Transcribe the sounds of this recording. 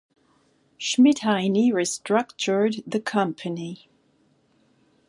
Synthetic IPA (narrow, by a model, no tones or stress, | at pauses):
ʃmɪthaɪniɹɪstɹ̥ʌk̚t͡ʃə˞d̪ðɨkʰʌ̃mpʰɨni